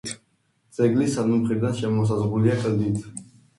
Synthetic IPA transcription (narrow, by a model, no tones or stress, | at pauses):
d̪z̥ʼɛɡlisanumχɛb̚d̪anʃɛmɔs̬azʁuliakʼd̪it̪ʰ